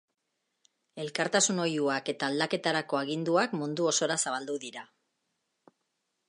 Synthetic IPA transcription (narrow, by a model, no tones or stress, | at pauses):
e̞lkaɾt̪asuno̞juake̞t̪aːld̪ake̞t̪aɾako̞aɣ̞ind̪uakmund̪uo̞so̞ɾasaβ̞ald̪uðiɾa